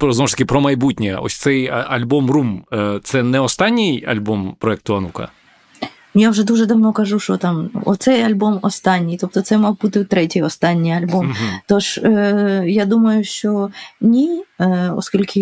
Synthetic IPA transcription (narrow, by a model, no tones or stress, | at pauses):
pɾɔznɔwʊʃt̪ɐkʲɪpɾɔmɐjbutʲnʲɛ̰ɔ̰sʲt̪sɛjɐɐlʲbɔmrumt̪sɛnɛɔst̪ɑnʲːɪjɐ̰lʲbɔmpɾɔɛk̚t̪ʊɐnukɐ̰ | jawʐɛd̪uʒɛd̪ɐʋnɔkɐʐuʃt͡ʃɔt̪ɑmɔt̪sɛjɐlʲbɔmɔst̪ɑnʲːijt̪ɔp̚t̪ɔt̪sɛmɔɦbut̪ɪt̪ɾɛtʲijɔst̪ɑnʲːijɐlʲbɔmt̪ɔʂ | jad̪umɐjʊʃt͡ʃɔnʲi | ɔ̰skʲilʲkʰɪ